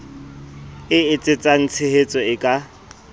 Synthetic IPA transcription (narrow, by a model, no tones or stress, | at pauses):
ɪɪt͡sʼɪt͡sʼaŋ̩t͡sʰehet͡sʼɔɪkʼa